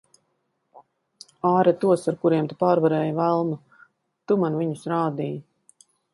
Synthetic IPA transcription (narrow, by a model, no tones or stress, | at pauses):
aːɾat̪uɔsaɾkuɾiɛmt̪u̥paːɾvaɾɛːjvælˠmu | t̪umanviɲusɾaːd̪iːj